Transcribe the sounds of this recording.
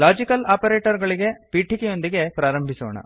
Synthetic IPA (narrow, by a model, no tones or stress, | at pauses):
laːd͡ʒikɐlaːpɐɾeːʈɐɾɡɐɭiɡe̞piːʈikijo̞nd̪iɡe̞pɾaːɾɐmbʱiso̰ːɳɐ̰